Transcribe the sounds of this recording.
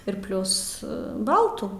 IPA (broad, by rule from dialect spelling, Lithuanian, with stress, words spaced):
ɪr ˈpʲlʲʊs ˈbɐlˠtuː